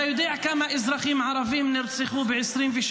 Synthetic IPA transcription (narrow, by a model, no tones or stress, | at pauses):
jʊd̪ˤiːʕkamaʔɪzɾˤɑxiːmʕɑɾˤɑfiːmnɪɾsɪxuːbɪʕɪsɾiːnfiʃ